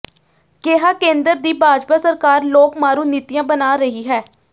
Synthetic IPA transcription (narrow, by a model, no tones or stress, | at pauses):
keːɦaːkẽːnd̪əɾd̪iːbaːd͡ʒpaːsəɾkaːɾloːkmaːɾuːniːt̪ijãːbənaːɾəɦiːɦɛː